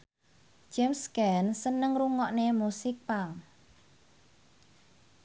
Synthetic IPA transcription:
d͡ʒɛmskɛnsənəŋruŋɔʔnemusɪk̚paŋ

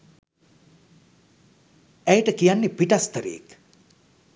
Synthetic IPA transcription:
æjʈəkijanːepiʈast̪əɾḛj̰ːk

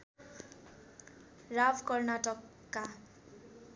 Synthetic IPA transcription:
rabkʌrnaʈʌkː | a

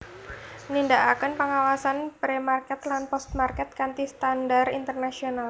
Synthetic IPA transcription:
nindaʔakənpəŋawasanpɾemarkɛt̪lanpɔst̪̚markɛt̪̚kant̪ist̪andarint̪ərnasional

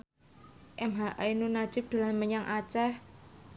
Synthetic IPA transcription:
ʔɛmɦaʔainunḁd͡ʒ̥ʊp̚d̪̥ṳlanməɲaŋʔat͡ʃɛh

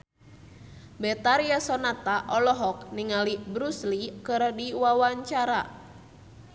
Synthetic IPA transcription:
bɛt̪aɾiasɔnat̪aʔɔlɔɦɔk̚niŋalibɾuslikɨrdiwawaɲt͡ʃaɾa

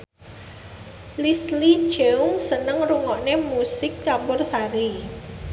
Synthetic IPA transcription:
lisli̥ʒ̥eʊŋsənəŋruŋɔʔnemusɪk̚t͡ʃambʊrsaɾi

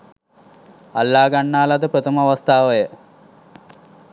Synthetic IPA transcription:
alːaːɡanːaːlad̪əpɾət̪əməaʋast̪aːʋəjə

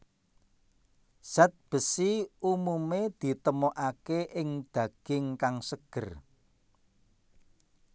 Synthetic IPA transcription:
sɛt̪̚b̥ə̤siumumed̪̥i̤t̪əmoʔakeʔɪŋd̪̥ä̤ɡ̥ɪŋkaŋsəɡ̥ə̤r

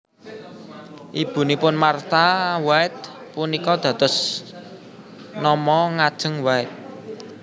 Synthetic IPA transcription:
ʔib̥ṳnipʊnmart̪awaɪt̪̚ | punikɔd̪̥ä̤t̪ʊs | nɔmɔŋad̥ʒ̥ə̤ŋwaɪt̪̚

